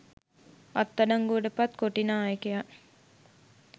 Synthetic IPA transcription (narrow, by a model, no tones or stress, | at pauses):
at̪ːɐnaŋɡuɖəpat̪koʈinaːekeja